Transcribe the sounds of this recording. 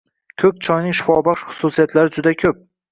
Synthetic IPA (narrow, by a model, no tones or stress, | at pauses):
kʲʰɵk̚ʲt͡ʃʰɒjnɪŋʃɪ̥fɒbɒχʃχʊ̥susijat̪laɾɪd͡ʒʊd̪akʲʰɵp̚